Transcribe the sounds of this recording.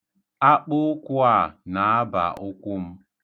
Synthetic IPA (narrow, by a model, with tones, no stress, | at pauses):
a˦k͡pʊ˦kʷʊ˦a˦˨na˨a˦ba̰˨ʔʊ˦kʷʊ˦m̩˦